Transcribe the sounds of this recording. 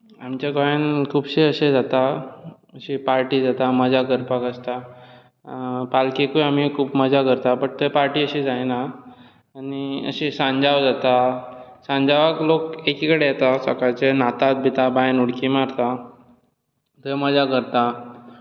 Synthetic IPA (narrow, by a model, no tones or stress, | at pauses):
amt͡ɕaɡajankʰuːbɕeəɕed͡zat̪a | əɕipaɾʈiːd͡zat̪aməd͡zʱakəɾpakəst̪a | palkekuam̤ikʰuːbməd͡zʱakəɾt̪apəɳt̪ejpaɾʈiːəɕid͡zajnaː | niə̰ɕisãɲd͡zaʋd͡zat̪asãɲd͡zaʋaklokekikəɽejɛt̪asəkajt͡senat̪at̪̚bʱit̪abajnuɽkiːmaɾt̪a | t̪eməd͡zakəɾt̪a